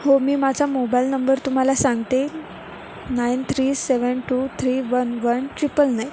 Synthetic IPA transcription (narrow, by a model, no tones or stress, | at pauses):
homiːmad͡zʱamobailnəmbəɾt̪um̤alasãŋɡt̪e | naint̪ʰɾiːseʋənʈuːt̪ʰɾiːʋənʋənʈɾipəlnaj